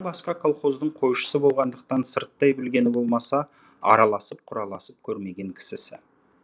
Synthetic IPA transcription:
bɑsqɑkʰolˠχo̞zd̪əɴqʰo̞jʃə̥səbo̞lˠʁɑnd̪əq̚t̪ɑnsəɾt̪ːɑjbɪlɡʲe̞nɪbo̞lˠmɑsɑ | ɑ̰ɾɑlˠɑsəp̚qʰʊɾɑlˠɑsəp̚kʲʰɵɾme̞ɡʲe̞ŋkʲʰɪ̥sɪsɪ̰

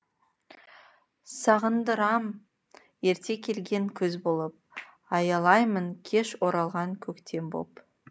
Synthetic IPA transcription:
sɑʁənd̪əɾɑm | je̞ɾt̪e̞kʲʰe̞lɡʲe̞ŋkʲʰʏzbo̞lˠəp̚ | ɑjɑlˠɑjməŋkʲʰe̞ʃwo̞ɾɑlˠʁɑŋkʲʰɵkt̪ʰe̞mbo̰p

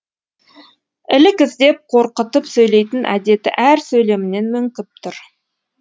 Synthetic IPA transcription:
ɪlɪkʲɪzd̪e̞p̚qʰo̞ɾqət̪əpsɵjle̞jt̪ɪnʔæ̰d̪e̞t̪ɪ̰ʔæɾsɵjle̞mɪne̞nmʏŋkʲɪp̚t̪ʰʊɾ

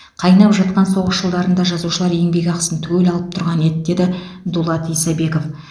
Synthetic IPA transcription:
qʰɑjnɑpʒɑt̪̚qɑnso̞ʁəʃʒəlˠd̪ɑɾənd̪ɑʒɑzuʃəlˠɑɾje̞ŋbe̞ɡʲɑqsənt̪ʰwelɑlˠəp̚t̪ʰʊɾʁɑne̞d̪d̪e̞d̪ɪd̪ulˠɑt̪ijsɑbe̞ko̞f

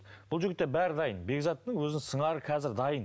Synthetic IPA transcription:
b̥ʊlˠʒʏɡʲɪt̪ːebæɾɪd̪ɑjənbe̞ɡzɑt̪ːəŋwɵzɪnsəɴɑɾəqʰɑzɪɾd̪ɑjən

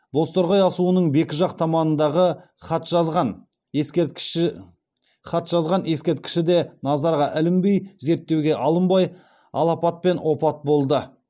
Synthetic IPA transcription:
bo̞st̪oɾʁɑjɑsuənəɴbe̞kʲɪʒɑqt̪ʰɑmɑnənd̪ɑʁə | χɑt̪ʒɑzʁɑn | e | χɑt̪ʒ̥ɑzʁɑnje̞skʲe̞ɾt̪̚kʲɪ̥ʃɪd̪e̞nɑzɑɾʁɑʔɪlɪmbejze̞ɾt̪ːe̞wɡʲe̞ʔɑlˠəmbɑj | ɑ̰lˠɑpɑt̪̚pe̞nwo̞pɑt̪̚bo̞lˠd̪ə

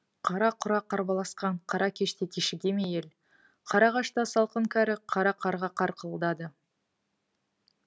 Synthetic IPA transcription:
qʰɑɾɑqʰʊɾɑqʰɑɾbɑlˠɑsqɑɴqʰɑɾɑkʲʰe̞ʃt̪et̪ʲʰeʃɪɡʲe̞mejel | qʰɑɾɑʁɑʃt̪ɑsɑlˠqəŋkʲʰæɾɪqʰɑɾɑqʰɑɾʁɑqʰɑɾqʰəllˠd̪ɑd̪ə

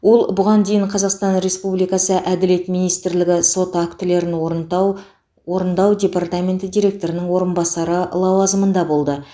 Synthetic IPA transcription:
wo̞lˠbʊʁɑnd̪e̞jɪɴqʰɑzɑqst̪ɑnɾe̞spublijkɑsəʔæd̪ɪle̞t̪minijst̪ɪɾlɪɡʲɪso̞t̪akt̪ɪle̞ɾɪn | wo̞ɾənd̪ɑwd̪ʲe̞part̪amʲe̞nt̪ɪd̪ʲijɾʲe̞k̚t̪o̞ɾɪnɪŋwo̞ɾənbɑsɑɾəlˠɑwɑzəmənd̪ɑbo̞lˠd̪ə

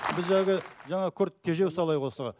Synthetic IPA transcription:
bɪzʒɑɑɡʲɪʒɑɴɑkʲʰɵɾt̪̚tʲʰːeʒe̞wsɑlˠɑjwosəʁɑ

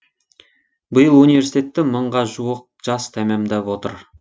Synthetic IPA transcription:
bəjəlˠunijvʲe̞ɾsi̥t̪ʲe̞t̪ːɪməɴʁɑʒuwəq̚ʒ̥ɑst̪ʰæmæmd̪æpwo̞t̪ə̰ɾ

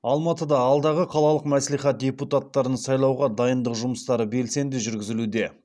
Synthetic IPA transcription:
ɑlˠmɑt̪əd̪ɑːlˠd̪ɑʁəqʰɑlˠɑlˠəqmæslijχɑt̪̚dʲe̞put̪at̪ːɑɾənsɑjlˠɑwʁɑd̪ɑjənd̪əqʒʊməst̪ɑɾəbe̞lse̞nd̪ɪʒʏɾɡʲɪzɪlud̪e̞

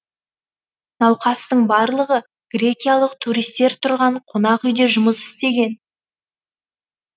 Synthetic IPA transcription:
nɑwqɑst̪əɴbɑɾlˠəʁə | ɡ̥ɾʲe̞kʲijalˠəq̚t̪ʰuɾijst̪e̞ɾt̪ʰʊɾʁɑɴqʰonɑqʏjd̪e̞ʒʊməsɪ̥st̪e̞ɡʲe̞n

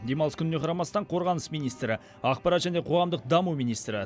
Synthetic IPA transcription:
d̪e̞mɑlˠəskʰʲʏnɪne̞qʰɑɾɑmɑst̪ɑɴqʰo̞ɾʁɑnəsmijnijst̪ɾɪ | ɑqpɑɾɑt̪ʒ̥æne̞qʰo̞ʁɑmd̪əq̚d̪ɑmumijnijst̪ɾɪ

